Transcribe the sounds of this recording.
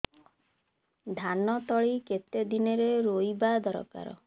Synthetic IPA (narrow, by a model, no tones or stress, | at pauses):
d̪ʱanɔt̪ɔɭiket̪ed̪ineɾeɾojbad̪ɔɾɔ̰ka̰ɾɔ̰